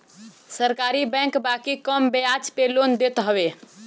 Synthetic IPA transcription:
səɾkaɾibɛ̃ŋkbakikəmbeat͡ʃpelond̪et̪ɦəbe

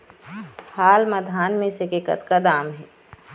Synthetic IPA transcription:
haːlməd̪ʱaːnmẽsekekə̰t̪kad̪aːmɦɛː

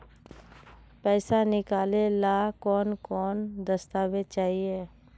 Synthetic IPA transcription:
pɛːsanɪkaːlelakɔːnkɔːnd̪əst̪aːʋet͡ʃaːɦieː

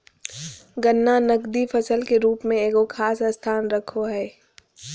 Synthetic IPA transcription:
ɡənːanəɡd̪ifʰəsəlkeɾuːpmẽeːɡokʰaːsəst̪ʰaːnɾɐkʰoɦɛː

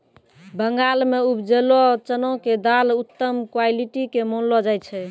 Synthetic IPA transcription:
bəŋɡalmeubd͡ʒelɔt͡ʃənɔked̪alut̪ːəmkwailiʈikemonlɔd͡ʒajt͡ʃʰɛ

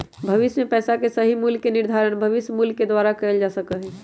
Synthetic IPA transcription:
bʱəʋismepɛsakesəɦimuljkeniɾd̪ʱaɾəñbʱəʋisjmulked̪waɾakəeld͡ʒasəkəɦɛ

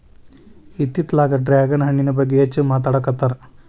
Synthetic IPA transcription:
it̪ːit̪laːɡɐɖɾaːɡɐnɦɐɳːinɐbɐɡːeɐt͡ʃːɨmaːt̪ɐːɽɐkːɐt̪ːɐɾ

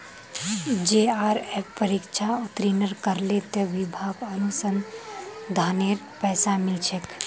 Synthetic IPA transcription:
d͡ʒeaɾeppəɾikt͡ʃʰaut̪ɾinəɾkəɾlet̪eʋibʱaːɡənusən | d̪ʱaːneɾ | pɛːsamɪlt͡ʃʰek

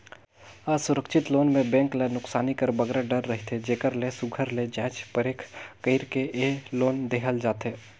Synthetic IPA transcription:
aːsʊɾəkʃʰɪt̪loːnmẽbɛ̃ːŋklenʊksaːnikəɾbəɡɾaɖəɾːəɦit̪ʰed͡ʒeːkəɾlesʊɡʱəɾled͡ʒɛ̃ːt͡ʃpəɾeːkʰkəɪɾkeʔeloːnd̪eːɦəld͡ʒaːt̪ɦeː

